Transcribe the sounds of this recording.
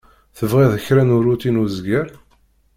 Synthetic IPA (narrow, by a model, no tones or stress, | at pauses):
θəvʁiðəçɾænʊɾut̪inuzɡəɾ